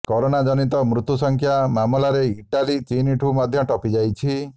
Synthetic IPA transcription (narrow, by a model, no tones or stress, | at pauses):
kɔɾonad͡ʒɔnit̪ɔmɾut̪ːusɔŋkʰjamamɔlaɾeiʈalit͡ʃiniʈʰumad̪ʱjɔʈɔpid͡ʒajt͡ʃʰi